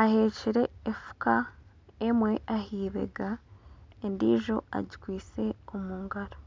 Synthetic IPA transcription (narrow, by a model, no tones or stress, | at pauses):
aheːciɾe̞ːfu̥kʰa | emwe̞ʔahiːβe̞̰ɡa | endiːʒo̞̰a̰ɟikwiːt͡se̞omuːŋɡaɾo